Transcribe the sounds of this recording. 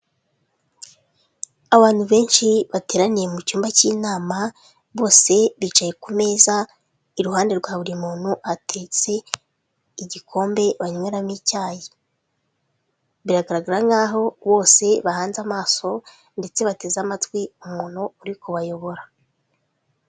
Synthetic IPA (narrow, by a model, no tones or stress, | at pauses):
aβaːn̥huβe̞ːnʃiβate̞ːɾanije̞mucuːmbaciːnaːma | βo̞ːse̞βit͡ʃaje̞kume̞ːza | iɾuɦaːnde̞ɾɡwaːβuɾimuːn̥huʔatʰe̞ːt͡se̞ | iɟikʰo̞ːmbe̞βaɲweɾamicaːje | βiɾaɡaɾaɡaɾaŋɡaːɦo̞βo̞ːse̞βahaːnzamaːso̞ | nde̞t͡se̞βate̞ːzamatwiumuːn̥uːɾikuβajo̞βo̞ɾa